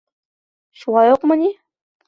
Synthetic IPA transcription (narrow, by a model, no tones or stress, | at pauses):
ʃuʁɑjoqmə̆nʲi